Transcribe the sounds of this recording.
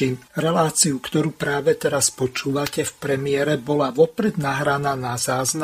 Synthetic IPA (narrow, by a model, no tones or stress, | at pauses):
iːmɾɛlaːt͡siukt̪ɔɾuːpɾaːʋɛt̪ɛɾaspɔt͡ʃuːʋacɛfpɾɛmɪɛɾɛbɔlaʋɔpɾɛd̪naɦɾanaːnazaːzna